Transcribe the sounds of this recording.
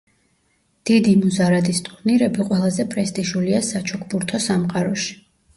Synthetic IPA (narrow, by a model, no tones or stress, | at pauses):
d̪̥id̪imuzaɾad̪ist̪ʼqʼniɾɛbiqʼwɛlˠazɛpʼɾɛst̪ʼiʃuliasat͡ʃʰɔkʰbuɾt̪ʰɔsamqʼaɾɔʃi̥